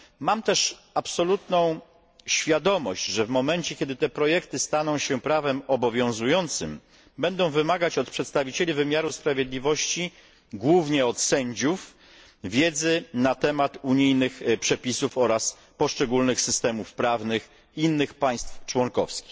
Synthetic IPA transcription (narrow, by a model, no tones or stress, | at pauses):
mamt̪ɛʂ | apsɔlut̪nɔ̃w̃ | ɕfʲjad̪ɔmɔɕt͡ɕʐɛvmɔmɛnt͡ɕɛkʲɛd̪ɘt̪ɛpɾɔjɛkt̪ɘst̪anɔ̃w̃ɕɛpɾavɛmɔbɔvʲjɔ̃w̃zujɔnt̪sɘ̰m | bɛnd̪ɔ̃w̃vɘmaɡat͡ɕɔt̪̚pʂɛt̪st̪avʲit͡ɕelʲivɘmʲjaɾuspɾavʲjed̪lʲivɔɕt͡ɕi | ɡwuvɲɛɔt̪sɛɲd͡ʑuf | vʲjɛd̪zɘnat̪ɛmat̪uɲijnɘxpʂɛpʲisufɔɾas | pɔʂt͡ʂɛɡulnɘxsɘst̪ɛmufpɾavnɘx | inːɘxpaj̃st̪ft͡ʂwɔŋkɔfskʲi̥x